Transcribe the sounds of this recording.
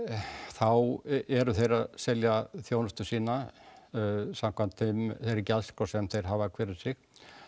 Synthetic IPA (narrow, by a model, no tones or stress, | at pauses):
θawɛɾʏθejɾaðsɛljaθjoːwnʏst̪ʏsiːna | sam̥kʰvant̪ʰɪmθejɾɛcːalskɔsɛmθejɾ̥ɦaːvakʰvɛːɾɪsɪx